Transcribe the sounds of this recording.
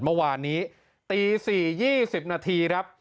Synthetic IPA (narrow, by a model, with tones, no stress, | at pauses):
nmɔ˥˩waː˧nːiː˦˥ | t̪iː˧siː˨˩jiː˥˩si˨˩p̚naː˧t̪ʰiː˧kʰa˦˥p̚